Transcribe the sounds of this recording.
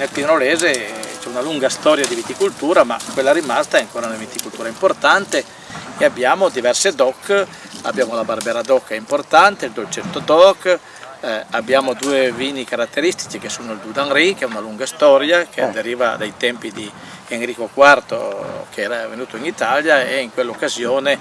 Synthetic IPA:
nelpinɾoleːzet͡ʃɛunaluŋɡast̪ɔːɾjad̪ivit̪ikult̪uːɾama̰kːwelːaɾimast̪aɛaŋkoːɾaunavit̪ikult̪uːɾaimport̪ant̪e | eabːjaːmod̪ivɛrsed̪ɔkː | a̰bjaːmolabarbɛːɾad̪ɔkːɛimport̪ant̪eild̪olt͡ʃɛnt̪od̪ɔkː | abːjaːmod̪uːeviːnikaɾat̪ːeɾist̪i̥t͡ʃikesuːnoild̪ud̪aŋɾikɛunaluŋɡast̪ɔɾjak̟ʰead̪eɾiːva̰d̪ajt̪ɛmpid̪i | eŋɾiːkokwart̪o̰kʰeɛːɾavenuːt̪oinit̪aljaeiŋkwelːokːazjoːne

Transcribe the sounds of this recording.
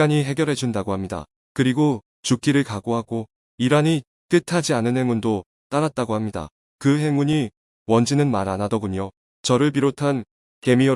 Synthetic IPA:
aɲiɦe̞ɡjʌɾɦe̞d͡ʑundaɡohamɲida̰ | kɯɾiɡo | t͡ɕuk͈ʰiɾɯɭkaɡoɦaɡo | iɾaɲi | t͈ɯtʰad͡ʑianɯnɦe̞ŋundo | t͈aɾat̚t͈aɡohamɲida̰ | kɯɦe̞ŋuɲi | wʌnd͡ʑinɯnmaɾanadʌɡuɲo | t͡ɕʌɾɯɭp̬iɾotʰan | ke̞mi

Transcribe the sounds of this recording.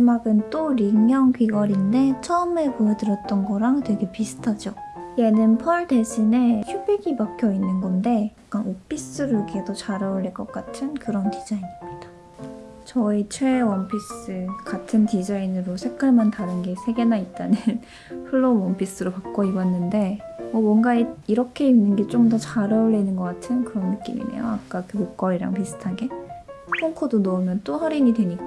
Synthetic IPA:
d͡ʑimaɡɯnt͈oɾiŋjʌŋɡɥiɡʌɾinde̞t͡ɕʰʌɯme̞puʌdɯɾjʌt̚t͈ʌnɡʌɾaŋtwe̞ɡe̞pisʰɯ̥tʰad͡ʑo | je̞nɯnpʰʌɭde̞ɕʰine̞çubeɡibakʰjʌinːɯnɡʌnde̞jakk͈anop͈ʰis͈ɯɾɯkʰe̞dot͡ɕaɾʌuɾiɭk͈ʌk͈atʰɯnkɯɾʌntid͡ʑainimɲida | t͡ɕʌit͡ɕʰwewʌnpʰis͈ɯkatʰɯntid͡ʑainɯɾosʰe̞k͈aɭmantaɾɯnɡe̞sʰe̞ɡe̞nait̚t͈anɯn | pʰuɭːomwʌnpʰis͈ɯɾopak̚k͈oibwanːɯnde̞mʌmwʌnɡaeiɾʌkʰe̞inːɯnɡe̞t͡ɕ͈omdʌt͡ɕaɾʌuɭːenɯnɡʌk͈atʰɯnkɯɾʌnːɯk͈ḭmḭnḛjoak͈akɯmok͈ʌɾiɾa̰ŋpisʰɯ̥tʰaɡe̞pʰoŋkʰodonʌumjʌnt͈oɸaɾiɲidwe̞ɲik͈a

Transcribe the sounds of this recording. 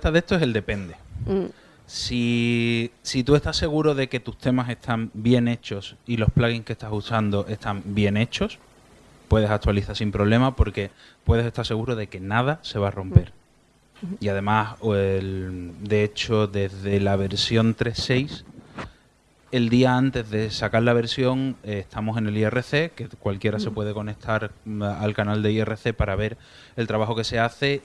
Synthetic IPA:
t̪aðe̞st̪oese̞ld̪e̞pe̞nd̪e̞ | si | sit̪ue̞st̪asːe̞ɣ̞uɾoðe̞ke̞t̪ust̪e̞mase̞st̪ʰambje̞ne̞t͡ʃo̞silo̞hplaɣiŋskest̪asusand̪o̞ʔe̞st̪ambje̞ne̞t͡ʃo̞s | pwe̞ðe̞sak̚t̪waliθaɾsimpɾo̞βle̞mapo̞ɾke̞ | pwe̞ðe̞se̞st̪aɾse̞ɣ̞uɾoðe̞ke̞nað̞ase̞β̞aro̞mpe̞ɾ | iað̞e̞mas | d̪e̞et͡ʃo̞ðe̞zðe̞laβ̞e̞ɾsjo̞nt̪ɾe̞se̞js | e̞ld̪iaant̪e̞zðe̞sakaɾlaβ̞e̞ɾsjo̞ŋeht̪ʰamose̞ne̞lie̞re̞θe̞kekwalkje̞ɾase̞pwe̞ð̞e̞ko̞ne̞k̚t̪ʰaɾalkanald̪eie̞re̞θe̞paɾaβe̞ɾ | e̞lt̪ɾaβaxo̞ke̞se̞aθe̞

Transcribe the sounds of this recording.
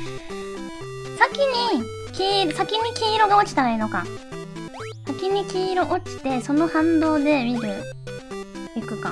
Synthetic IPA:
sakʲiɲ̟i | kʲiːɾsakʲiɲ̟ikʲiːɾo̞ɡao̞t͡ɕi̥t̪aɾaino̞ka̰ | sakʲiɲ̟ikʲiːɾo̞ʔot͡ɕi̥t̪e̞so̞no̞hãnd̪o̞ːd̪e̞mʲiɾɯ̟ | ikɯ̟ka̰

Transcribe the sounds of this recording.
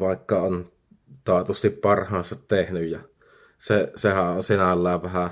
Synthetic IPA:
ʋɑˑekːɑon | t̪ɑˑet̪ost̪ippɑrhɑːnsɑt̪tehnyjjɑ | sesehæʔʔʔonsinælːæːʋʋæhæ

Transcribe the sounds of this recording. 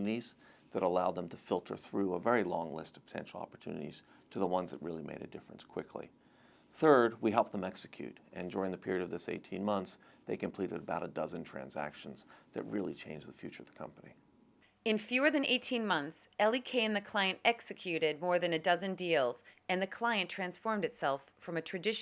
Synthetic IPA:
nɨɾiz̥ðɨɾəlaʊd̪̚ðə̃mtʰɨfɪlˠtʰə̰˞θɹʉəvɛɹilɔ̃ŋlɪstʌv̥pʰə̥tʰɛ̰̃nʃl̩ˠɑ̰pə˞tʰʉ̰nɨ̰ɾḭz̥ | tʰɨðəwʌ̃nzðɨ̰t̚ɹɪlˠimeɪɾɨ̰dɪfɹɨ̃nskʰw̥ɪkʰlḭ | θɜ˞d̚wiɦɛlˠp̚ðə̃mɛksɨ̥kʰj̥ʉ̰ɾɨ̃ndʊɹɪ̃ŋðɨpʰɪɹiɨɾʌvðɪsḛɪtʰĩnmʌ̃nθsðeɪkɨ̃m̩pʰl̥iɾɨɾəbaʊɾədʌzɨ̃ntʰɹ̥æ̰̃nzæ̰kʃn̩zðɨ̰t̚ɹɪlˠḭt͡ʃʰẽɪ̃nd͡ʒðɨfjʉt͡ʃə˞ʌvðə̥kʰʌ̰̃mpənḭ | ɨ̃nfjʉə˞ðɨ̃nʔeɪtʰĩnmʌ̃nθs | ɛlˠikʰẽɪ̃nðɨkʰl̥aɪɨ̃ntɛksɨkʰj̥ʉɾɪd̚mɔɹðɨ̃nɨdʌzɨ̃ndilˠz̥ | ɨ̃nðɨkʰl̥aɪɨ̃ntʰɹ̥æ̃nsfɔɹmdɨtsɛlˠf | ɹʌ̃mɨtʰɹ̥ɨdɪʃ

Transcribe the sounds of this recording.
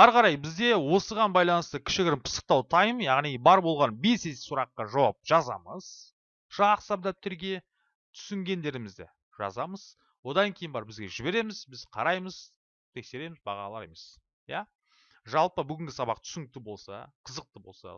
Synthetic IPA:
ɑɾʁɑɾɑjbɪzd̪e̞wo̞səʁɑnbɑjlˠɑnəst̪əkʲʰɪ̥ʃɪɡʲɪɾɪnpʰə̥sə̥q̚t̪ɑwt̪ʰɑjmjɑʁnijbɑɾbo̞lˠʁɑnbe̞sese̥suɾɑqːɑʒɑwɑp̚ʒ̥ɑzɑ̰məz̥ | ʒ̥ɑqsɑb̚d̪ɑp̚t̪ʰɪɾɡʲe̞ | t̪ʰʏ̥sɪŋɡʲe̞nd̪e̞ɾɪmɪzd̪ɪ̰ | ʒɑ̰zɑməz | wo̞d̪ɑŋkʲʰejɪnbɑɾbɪzɡʲe̞ʒɪbe̞ɾe̞mɪzbɪzqʰɑɾɑjməz̥ | t̪ʰe̞kse̞ɾe̞mɪzbɑ̰ʁɑ̰lˠɑɾe̞me̞s | jæ | ʒɑlˠpəbʏɡʲɪŋʲɡʲɪsɑbɑqt̪ʰʏ̥sɪŋɪk̚t̪ɪbo̞lˠsɑ̰qʰəzəq̚t̪əbo̞lˠsɑ̰

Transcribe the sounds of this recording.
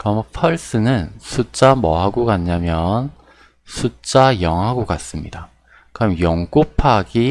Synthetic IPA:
kɯɾʌmʌpʰʌɭs͈ɯnɯnsʰut͡ɕ͈amʌɦaɡoɡanɲamjʌn | sʰut͡ɕ͈ajʌŋɦaɡokas͈ɯmɲida | kɯɾʌmjʌŋɡ͈opʰaɡi

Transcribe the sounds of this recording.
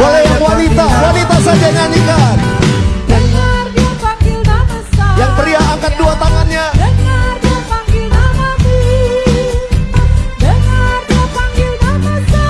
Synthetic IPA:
olajaŋwanit̪awanit̪asad͡ʒaɲanikaɦt̪ | jaŋt̪əriahaŋkat̪̚duat̪aŋanɲa | ŋ

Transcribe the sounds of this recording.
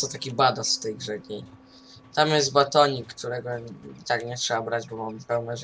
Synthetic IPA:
t̪ɔt̪akʲibad̪asft̪ɛjɡʐɛɡɲʲej | t̪amjɛzd̪bat̪ɔɲikːt̪uɾɛɡɔit̪akɲɛtʂɛbabɾad͡ʑbɔmampɛwnɛʐ

